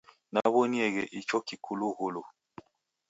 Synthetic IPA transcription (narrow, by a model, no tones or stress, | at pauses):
naβoniɛɣɛʔit͡ʃɔkikʰuluɣolo